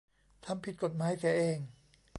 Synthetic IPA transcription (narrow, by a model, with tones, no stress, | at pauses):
t̪ʰa˧˥mpʰi˨˩t̪̚ko˨˩t̪̚maː˦˥jt̪ɛː˨˦ʔeː˧˩ŋ